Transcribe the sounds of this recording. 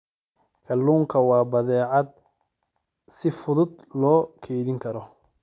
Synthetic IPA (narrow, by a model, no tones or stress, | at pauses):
kʰɐlːuːŋkʰɐwɑːbɐðɛːʕɑd̪̚ | sɪfʊðʊd̪lɔːkʰɛjðɪŋkʰɐɾɔ